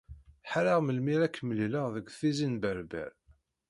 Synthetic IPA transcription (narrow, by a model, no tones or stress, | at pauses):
ħaɾaʁməlmiɾækːəməlləʁðəɡʷθizinbəɾbæ̰ɾ